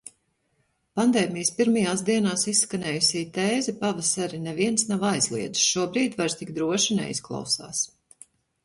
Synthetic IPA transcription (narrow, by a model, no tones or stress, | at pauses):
pand̪ɛːmijspiɾmajaːsd̪iɛnaːsissːkanɛːjusʲiːt̪eːzɛpavasaɾinɛviɛnsnawajzlˠḭɛd̪i̥sʃuɔbɾiːt̪ʲvaɾst̪ikd̪ɾuɔʃinɛ̰ḭsklˠa̰wsa̰ːs